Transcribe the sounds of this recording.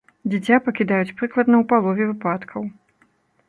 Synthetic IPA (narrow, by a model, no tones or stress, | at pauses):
d͡zʲɛt͡sʲapɐkʲid̪ajut͡sʲpɾɨklˠɐd̪nɐwpalˠɔvʲɛvɨpat̪kʰɐw